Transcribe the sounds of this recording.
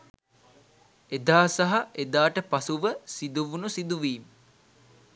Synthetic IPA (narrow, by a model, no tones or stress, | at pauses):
ed̪aːsaɦaʔed̪aːʈəpasuʋəsid̪uʋunusid̪uʋiːmə